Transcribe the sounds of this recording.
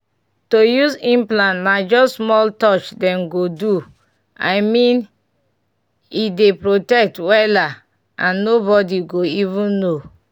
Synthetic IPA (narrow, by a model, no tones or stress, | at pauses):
tojuzĩmplãnnad͡ʒɔsmɔltɔt͡ʃdɛ̃mɡodu | a̰ɪmĩn | idepɹotɛk̚twɛla | ʔãnːobɔdiɡoivũnːo